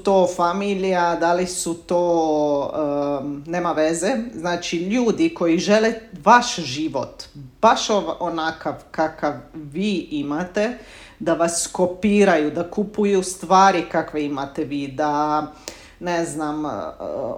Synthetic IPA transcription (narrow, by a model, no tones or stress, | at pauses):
t̪oːfamilijad̪alisut̪oː | neːmaʋezeznaːt͡ʃiʎuːd̪iko̞jiʒeleʋaʃʒiːʋot̪b̥aʃoonakaʋkakaʋːiːʔimat̪e̞ | d̪aʋaskopiːɾajud̪akupujust̪ʋaːɾikakʋe̞imat̪eʋiːd̪a | neznam